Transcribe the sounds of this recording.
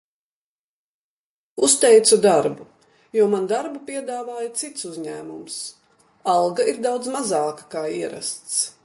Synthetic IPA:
ust̪ɛjt̪sud̪aɾbu | juɔmand̪aɾbupʲiɛd̪aːvaːjat̪sit̪suzʲɲæːmums | alˠɡaiɾd̪awd̪zmazɑːkḁkaːiɛɾa̰st̪s

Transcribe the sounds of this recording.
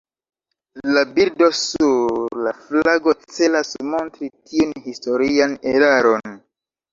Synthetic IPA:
labiɾdo̞suɾlaflaɡo̞t͡se̞lasmo̞ntɾitiunhisto̞ɾiane̞ɾaɾo̞n

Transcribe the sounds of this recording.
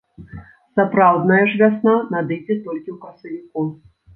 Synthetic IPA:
sapɾawd̪nɐjɛʐvʲasnɔnad̪ɨjd͡zʲɛt̪ɔlʲkʲiwkɐsɐvʲiku

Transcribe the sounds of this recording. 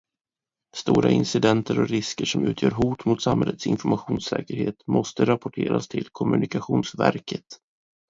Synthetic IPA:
st̪uːɾaɪnsɪd̪ɛnt̪ʰəɾɔɾɪskəʂɔmʉ̟ːt̪ʰjœːɾɦuːt̪mʊt̪samɦɛlːət̪sɪnfɔɾmaɧuːnsɛ̰ːkəɾheːt̪mɔst̪əɾapɔʈʰeːɾast̪ʰɪlkʰɔmɵ̟nɪkaɧuːnsvæɾkʰət̪

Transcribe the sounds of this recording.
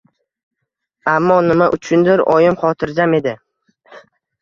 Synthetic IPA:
amːɒnɪmaʔʊt͡ʃʰʊnd̪ɪɾɒjɪmχɒt̪ʰɪɾd͡ʒame̞d̪ɪ

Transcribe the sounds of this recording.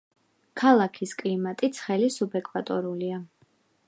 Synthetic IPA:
kʰalˠakʰiskʼlimat̪ʼit̪sʰχɛlisubɛkʼvat̪ʼɔɾulia

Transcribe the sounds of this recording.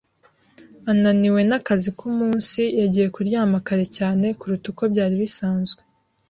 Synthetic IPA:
ananiwe̞nakazikumuːnsijaɟije̞kuɾjaːmakaɾecaːne̞kuɾutuko̞bɟaːɾiβisaːnzɡwe

